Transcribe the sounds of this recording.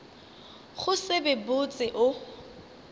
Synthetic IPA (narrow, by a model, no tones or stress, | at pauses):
χʊsɪbɪbʊt͡sʼɪʔʊ